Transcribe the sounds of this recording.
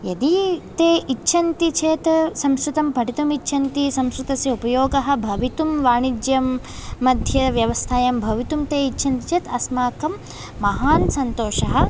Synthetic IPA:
jɐd̪it̪eːʔitːʃʰɐnt̪it͡ʃʰeːt̪sɐmskɾut̪ɐmpɐʈit̪umitːʃʰɐnt̪isɐmskɾut̪ɐsjɐupɐjoːɡɐɦɐ̆bʱɐʋit̪umʋaːɳid͡ʒjɐmː | ɐd̪ʱjɐʋjɐʋɐst̪ʰaːjɐmbʱɐʋit̪umt̪eːitːʃʰɐnt̪i̥t͡ʃʰeːt̪ɐsmaːkɐmː | ɐɦaːnsɐnt̪oːʃɐɦɐ̆

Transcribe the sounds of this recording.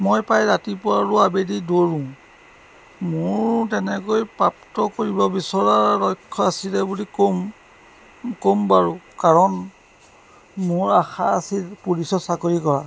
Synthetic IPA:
mojpajɹatipʊɹaɹʊabedidoɹũ | mʊɹtɛnɛkojpɹaptɔkoɹibɔbisɔɹalɔjkʰːɔasilɛbulikom | kombaɹukaɹɔn | mʊɹaxaasilpuɹisɔsakoɹikɔɹa

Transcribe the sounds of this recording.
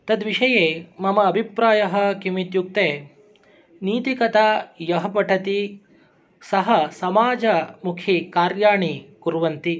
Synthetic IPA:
t̪ɐd̪ʋiʂɐjeːmɐmɐːbʱipɾaːjɐɦɐ̆kimit̪juk̚t̪eː | niːt̪ikɐt̪aːjɐɦɐpɐʈʰɐt̪i | sɐɦɐsɐmaːd͡ʒɐmukʰikaːɾjaːɳikuɾʋɐnt̪i

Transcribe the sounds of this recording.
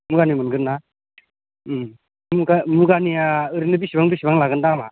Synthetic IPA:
muɡanimɯnɡɯɾna | muɡamuɡaniaɯɾinɯbisibaŋbisibaŋlaɡɯndama̰

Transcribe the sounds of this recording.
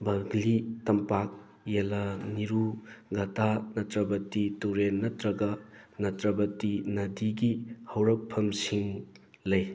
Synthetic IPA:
bɐɡlitɐmpak̚ | jelɐniɾuɡɐtanɐtɾɐbɐtituɾenːɐtɾɐɡɐnɐtɾɐbɐtinɐdiɡihɐwɾɐk̚pʰɐmsiŋ | lɐj

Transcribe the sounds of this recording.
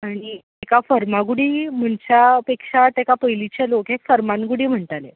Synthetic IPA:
aɽ̃i | ekafəɾmaɡuɽiːm̤əɳt͡ɕapekʂat̪ekapəjlit͡ɕalokɦekfəɾmanɡuɽiːm̤əɳt̪ale

